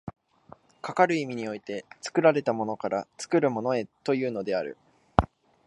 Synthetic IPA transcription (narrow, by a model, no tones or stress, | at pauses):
kakaɾɯ̟imʲiɲ̟io̞it̪e̞t͡sɨ̥kɯ̟ɾaɾe̞t̪amo̞no̞kaɾat͡sɨ̥kɯ̟ɾɯ̟mo̞no̞e̞t̪o̞jɯ̟ːno̞d̪e̞aɾɯ̟̰